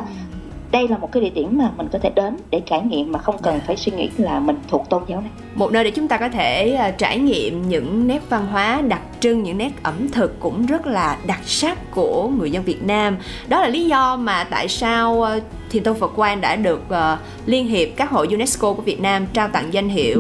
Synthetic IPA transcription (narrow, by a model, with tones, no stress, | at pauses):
ɗə˧jlaː˨˩mo˨˩t̚kːaː˨˦ɗi˧˨t̪i˧˩əmmaː˨˩mï˨˩ŋ̟kɔ˨˦t̪ʰe˧˩ɗe˨˦nɗe˧˩t͡ɕaː˧˩jŋḭ˧˨əmːaː˨˩xə˧wŋ͡mkə˨˩nfaː˧˩jswi˧ŋḭ˧˥laː˨˩mï˨˩ŋ̟t̪ʰu˨˩ək̚t̪o˧nzaː˨˦wna˨˩jmo˨˩t̚nəː˧ɗe˧˩t͡ɕʊ˨˦ŋ͡mt̪aː˧kɔ˨˦t̪ʰeː˧˩˨t͡ɕaː˧˩jŋḭ˧˨əmɲɨ̰˧˥ŋnɛ˦˥p̚va˧nɦwaː˨˦ɗa˨˩t̚t͡ɕɨ˧ŋɲɨ̰˧˥ŋnɛ˦˥p̚ʔə˧˩mt̪ʰɨ˨˩kːʊ̰˧˥ŋ͡mzə˦˥t̚laː˨˩ɗa˨˩t̚saː˦˥k̚ku˧˩əŋɨ˨˩əzə˧nvi˨˩ət̚naː˧m | ɗɔ˨˦laː˨˩li˨˦zɔ˧maː˨˩t̪a̰ː˧˨jsaː˧w | t̪ʰi˨˩ənt̪o˧wfə˨˩t̚kwaː˧nɗa̰ː˧˥ɗɨ˨˩ək̚ʔəː˨˩ | li˧ənɦi˨˩əp̚kaː˦˥k̚ho̰˧˨jzu˧nɛ˦˥sko˧ku˧˩vi˨˩ət̚naː˧mt͡ɕaː˧wt̪a̰˧˨ŋza˧jŋ̟ɦḭ˧˩˨əw